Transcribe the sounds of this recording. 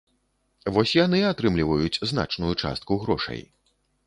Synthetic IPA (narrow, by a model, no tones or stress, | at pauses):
vɔsʲjanɨat̪ɾɨmlʲivɐjut͡sʲzna̰t͡ʂnujut͡ʂa̰st̪kuɣɾɔʂɐ̰j